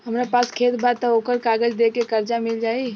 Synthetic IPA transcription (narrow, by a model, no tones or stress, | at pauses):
ɦəmɾapaskʰet̪bʱat̪ɔoːkəɾkaɡəd͡ʒd̪ekekəɾd͡ʒamild͡ʒaːi